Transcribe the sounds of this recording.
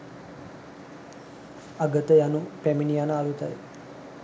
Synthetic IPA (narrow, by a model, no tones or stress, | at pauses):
aɡət̪əjanupæminijanəalut̪a̰jḭ